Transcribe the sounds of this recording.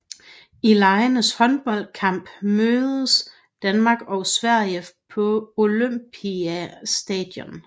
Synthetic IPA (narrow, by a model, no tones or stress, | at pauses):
ilɑ̈ɪnəshɒ̽nb̥ɒ̽l̰̥̚kʰɑ̈m̰b̥møːðˠəs | d̥ænmɑ̈ːɡ̥ɒ̽ʊsʋæɐ̰jəpʰɒ̽o̝løm̰b̥ʰiæsd̥ɛ̰d̥jɔ̽n